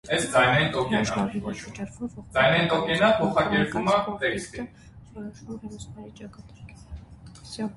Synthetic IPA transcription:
ɛsd͡zɑjnɑjint̪ɔkɛnɑvɔt͡ʃʰumd͡zɑjnɑjint̪ɔkɛnəpʰɔχɑkɛɾpumɑt̪ɛkst̪i

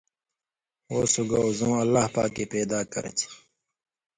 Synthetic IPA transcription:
woːsuɡaozõːɐlːaːhpa̰ːkːeːpeːd̪aːkɐ̰ɾɐ̰t͡ɕʰi̥

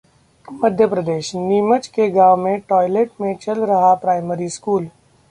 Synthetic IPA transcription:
mɐd̪ʱjəpɾɐd̪eːʃniːmət͡ʃkeɡaːʋmẽʈɔːɪleːʈ̚mẽt͡ʃɐlɾɐɦapɾaːɪməɾiskuːl

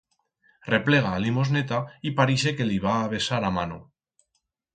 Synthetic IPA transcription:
reple̞ɣ̞aːlimoznet̪aipaɾiʃ̬eke̞liβ̞aːβe̞saɾamano̰

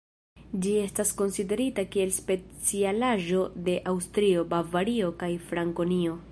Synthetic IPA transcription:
d͡ʒie̞stasko̞nside̞ɾitakie̞lspe̞t͡sialaʒo̞de̞ʔawstɾio̞bavaɾio̞kajfɾaŋko̞nio̞

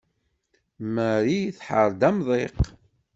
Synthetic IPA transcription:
məɾijθħəɾˤd̪æmðˤeq

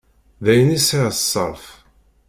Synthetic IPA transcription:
ðæjənisisˤːə̰ɾˤf

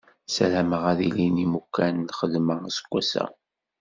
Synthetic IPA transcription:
sælæməʁæðilinimukːænlχəðməsə̥ɡʷːæsæ̰

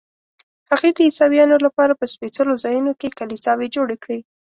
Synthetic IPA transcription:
haɣed̪əisɑbjɑnolapɑɾapəspet͡səlozɑjunokekalisɑwed͡ʒoɽekɽi

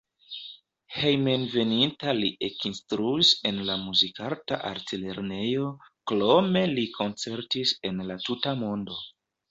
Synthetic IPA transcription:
he̞jmenve̞nintaliʔe̞kinstɾuise̞nlamuzikaltaʔa̰ɾtile̞ɾne̞jo̞klo̞me̞likʰo̞nt͡se̞ɾtise̞nlatutamo̞ndo̞

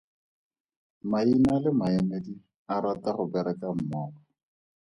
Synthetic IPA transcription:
mainalɪmaemedi | aɾataχʊbɛɾɛkam̩mɔːkɔ

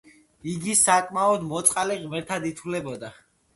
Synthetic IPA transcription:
iɡisakʼmaɔd̪mɔt̪sʼqʼaliʁmɛɾt̪ʰad̪it̪ʰulɛbɔd̪a

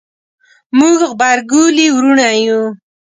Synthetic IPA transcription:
muɡɣbaɾɡuliwɾuɳaju

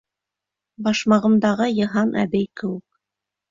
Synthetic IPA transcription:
bɑʃmɑʁɤ̆md̪ɑʁɤjɤ̆ɦɑnʔæ̰bæjkɘ̆wɘk̚

